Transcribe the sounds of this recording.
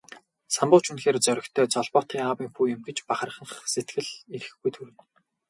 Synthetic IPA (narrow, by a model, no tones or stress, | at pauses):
sampʊːt͡ɕʰunxeːrt͡sœɾʲɪ̆kt̪ʰœːt͡sɔɮpɔːt̪χiːŋawiːŋxuːjɪ̆mɡet͡ɕpaχə̆rχə̆ɴχset̪ɡɘ̆ɮiɾɘ̆xɡujt̪ʰuɾɘ̆n